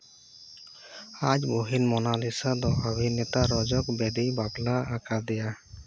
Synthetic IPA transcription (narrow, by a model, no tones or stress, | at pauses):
ad͡ʒboɦinmɔnalisad̪ɔʔəbʱinɛt̪aɾɔd͡ʒɔkbɛd̪ijbaplaakad̪ɛja